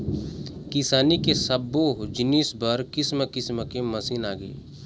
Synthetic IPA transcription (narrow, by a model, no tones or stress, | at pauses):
kɪsaːnikesɐbːoːd͡ʒɪniːsbəɾkɪsməkɪsməkemɐsiːnaːɡəḛː